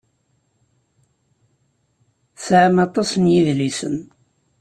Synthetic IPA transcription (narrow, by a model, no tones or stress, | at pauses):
sʕamɑt̪ˤɑsənjiðlisə̰n